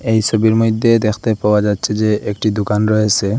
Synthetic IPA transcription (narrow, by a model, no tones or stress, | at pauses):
ejʃobiɾmojd̪ʱːed̪ekʰt̪epawad͡ʒatːɕʰed͡ʑeʔek̚ʈid̪ukanɾɔɦet͡ɕʰe